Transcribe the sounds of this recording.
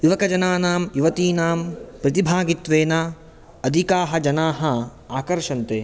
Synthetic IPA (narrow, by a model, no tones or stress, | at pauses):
ʋiʋɐkɐd͡ʒɐnaːnaːmjuʋɐt̪iːnaːmpɾɐt̪ibʱaːɡit̪ʋeːna | ɐd̪ʱikaːɦɐd͡ʒɐnaːɦɐ | aːkɐɾʃɐnt̪eː